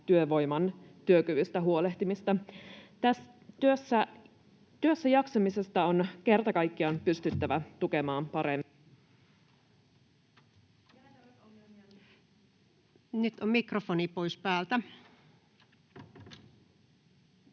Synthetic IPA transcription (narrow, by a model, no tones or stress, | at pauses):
t̪yøʋo̞jmɑnt̪yøkyʋyst̪æɦuo̞le̞ht̪imist̪ɑt̪æs | t̪yøsːæ | t̪yøsːæjɑksɑmise̞st̪ɑonke̞rt̪ɑkɑjkːiɑnpyst̪yt̪ːæʋæt̪ukemɑːmpɑɾemː | o | nyt̪ommikrofonipo̞jspæːlt̪æ